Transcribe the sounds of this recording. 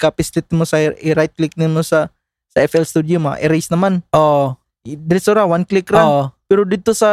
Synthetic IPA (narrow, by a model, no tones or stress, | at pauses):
kapislit̪̚imosaiɾajt̪̚klik̚nimusa | saɛfɛlst̪udioma̰ʔɛɾesnamanʔɔ | daɾisɔɾawanklikɾaɔpiɾudit̪usa